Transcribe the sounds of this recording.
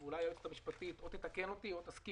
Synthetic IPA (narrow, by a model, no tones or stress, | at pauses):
ulajaet̪et̪amiʃpat̪it̪ʔot̪et̪ake̞no̞t̪io̞t̪aski